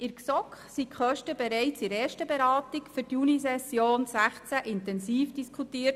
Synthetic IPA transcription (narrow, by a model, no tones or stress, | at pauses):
ɪɾksɔkχsikχœʃtəbɛɾɛɪt͡sɪɾɛːʃtəbɛɾɑːtikfyɾtjunisɛsjoːnsæχt͡sæʔɪntɛnsiːfd̥iskʰutiːət